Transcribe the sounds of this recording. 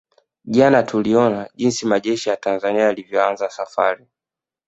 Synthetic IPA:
ʄanatʰuliɔnaʄinsimaʄɛʃijatanzaniaːlivjɔanzasafa̰ɾi

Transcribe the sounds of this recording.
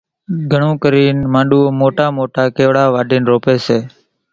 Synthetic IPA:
ɡʱəɳũːkəɾiːnmãːɗuːoːmoːʈaːmoːʈaːkeːʋɽaːʋaːɖʱiːnɾoːpeːseː

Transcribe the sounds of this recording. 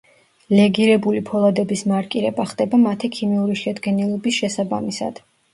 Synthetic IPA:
lɛɡiɾɛbulipʰɔlˠad̪ɛbismaɾkʼiɾɛbaχd̪ʼɛbamat̪ʰikʰimiuɾiʃɛd̪ɡɛnilˠɔbisʃɛsabamisa̰d̪̥

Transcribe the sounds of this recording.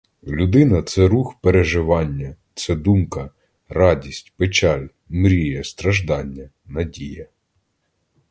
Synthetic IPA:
lʲud̪ɪnɐt̪sɛɾuxpeɾeʒɪʋɑnʲːɐt̪sɛd̪umkɐ | rɑdʲisʲtʲpet͡ʃɑlʲ | mɾʲijɐst̪ɾɐʒd̪ɑnʲːɐ | nɐdʲijɐ

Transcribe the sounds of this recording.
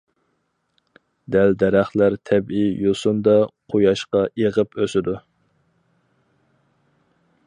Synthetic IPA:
d̪æld̪ɛɾæχlæɾt̪ʰɛbijosund̪ɑqʰojɑʃqɑeʁəpʰøsɪd̪u

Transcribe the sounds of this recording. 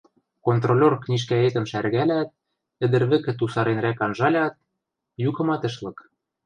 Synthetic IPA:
kont̪rolʲorknʲiʃ̬kæet̪ɘ̆mʃærɣælæt̪̚ | ɘ̆d̪ɘ̆ɾβɘ̆kɘ̆t̪usɑɾenɾækɑnʒɑlʲɑt̪̚ | jukɤ̆mɑt̪ɤ̆ʃlɤ̆k

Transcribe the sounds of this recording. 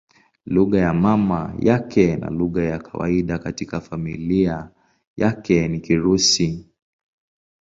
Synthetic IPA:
luɣajamamajakʰɛna̰luɣajakʰawa̰iɗakatikafamilia | jakɛnikiɾusi

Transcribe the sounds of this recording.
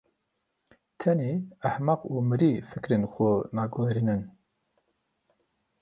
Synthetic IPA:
t̪ʰɛniːaħmɑquːmɨɾifɨkɾenxonɑːɡoːɾinɨn

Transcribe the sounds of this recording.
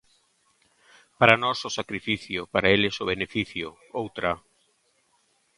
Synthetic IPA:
paɾanɔsʊsakɾifiθjʊpaɾaelesʊβ̞enefiθjʊ | owt̪ɾa

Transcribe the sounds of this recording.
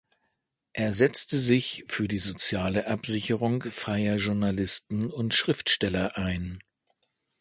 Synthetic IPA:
ʔeːɐzɛt͡stəzɪçfyːɐdiːzot͡sjaːləʔapz̥ɪçəʁ̞ʊŋfʁ̥aɪɐʒʊɐnalɪstn̩ʊntʃʁ̥ɪftʃtɛlɐʔaɪn

